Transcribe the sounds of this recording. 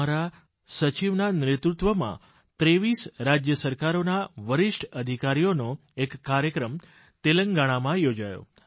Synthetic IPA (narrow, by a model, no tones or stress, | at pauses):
aɾa | sət͡ʃiʋnanɾet̪ɾut̪ʋəmã̰ | t̪ɾeʋisɾad͡ʒjəsəɾkaɾonaʋəɾɪʂʈʰəd̪ʱikaɾijono | ekːaɾjəkɾəm | t̪eləŋɡaɽ̃amãjod͡ʒajo̰